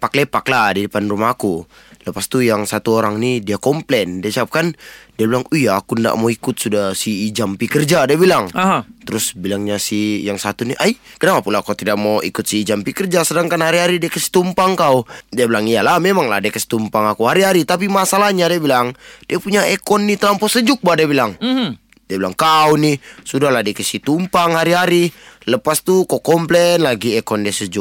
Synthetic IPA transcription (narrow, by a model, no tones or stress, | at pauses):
paklepakladidəpanrumaɦaku | ləpast̪ujaŋsat̪uoɾaŋnidiakɔmplɛndiasiap̚kandiabilaŋujaːkunda̰ʔmoikʊt̪̚sudahsiːd͡ʒampikərd͡ʒadiabilaŋt̪əɾʊsbilaŋɲasihjaŋsat̪uniʔajkənapapulakawt̪idaʔmaḭkʊt̪̚siːd͡ʒampikərd͡ʒasədaŋkanhaɾiɦaɾidiakəsi̥t̪umpaŋkaudiabilaŋialahmemaŋla̰diakəsi̥t̪umpaŋakuɦaɾiɦaɾit̪ap̬imasalahɲadiabilaŋdiapuɲaekɔnːit̪lampɔsəd͡ʒʊk̚badiabilaŋ | diabila̰ŋkaunisudahlahdiakəsit̪umpaŋɦaɾiɦaɾiləpast̪ukokɔmplɛnlaɡiɛkɔndiasəd͡ʒʊk̚